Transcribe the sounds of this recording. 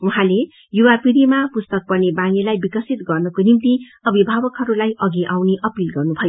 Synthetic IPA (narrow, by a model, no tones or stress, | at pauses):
uɦãle | juwapiɾimapust̪ʌk̚pʌrnebaŋilajbikʌsit̪ɡʌrnʌkonimt̪i | ʌbʱibʱabʌkɦʌɾulajʔʌɡiʔawneʔʌpilɡʌrnubʱʌjo